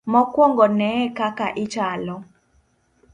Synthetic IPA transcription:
mɔkwɔŋɡɔnɛɛkakaʔɪt͡ʃalɔ

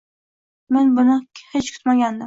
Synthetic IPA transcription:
menbʊnɪhet͡ʃkʲʰʊ̥t̪maɡʲand̪ɪm

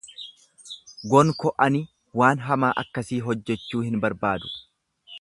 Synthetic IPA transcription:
ɡɔnkɔʔɐni | waːnɦɐmaːʔɐkːɐsiːɦɔd͡ʒːɛt͡ʃːuːhɪnbɐɾbaːd̪ʊ̥

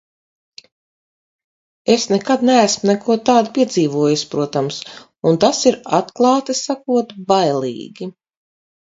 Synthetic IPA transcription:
esnɛkad̪nææsmunɛkuɔt̪aːd̪pʲiɛd̪ziːvuɔjusʲpɾuɔt̪ams | unt̪asiɾat̪klˠɑːt̪isakuɔt̪bajlˠḭːɡʲi

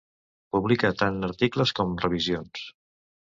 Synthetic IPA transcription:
puβlikət̪anəɾt̪ikləskɔmrəβ̞izjons

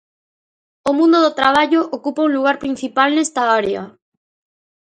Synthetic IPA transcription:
omũnd̪oðot̪ɾaβ̞aʎoʔokupaũŋluɣ̞aɾpɾin̟θipalnɛst̪ɐaɾeɐ

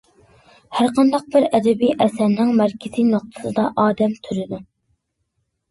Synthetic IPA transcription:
hæɾqʰɑnd̪ɑq̚bɪɾɛd̪ɛbijʔɛsæɾnɪŋmæɾkʲʰɪzinoq̚t̪ʰɨ̥sɨd̪ɑʔɑːd̪ɛmt̪ʰyɾyd̪u

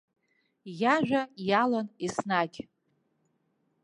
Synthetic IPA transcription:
jaʒᶣʷajalanisnaɡʲ

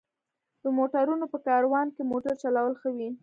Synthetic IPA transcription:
d̪̥əmoʈaɾunopəkɑɾwɑnkemoʈaɾt͡ʃalawəlxəwi

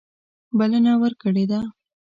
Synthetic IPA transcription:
balənawəɾkəɽed̪a

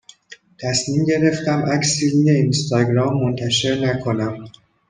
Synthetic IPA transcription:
t̪ʰæsmiːmɟe̞ɾe̞ft̪æmʔæcsiːɾuːjeinst̪ɒːɟɾɒːmːont̪ʰæʃe̞ɾnækʰo̞næm

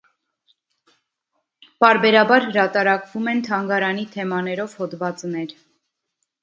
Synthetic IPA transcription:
pɑɾbɛɾɑbɑɾhəɾɑt̪ɑɾɑkvumɛnt̪ʰɑŋɡɑɾɑnit̪ʰɛmɑnɛɾɔvhɔd̪vɑt͡snɛɾ

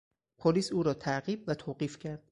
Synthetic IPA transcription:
pʰoliːsuːɾɒːt̪ʰæʔɢiːbvæt̪ʰoːɢiːfcʰæɾd̪̥̚

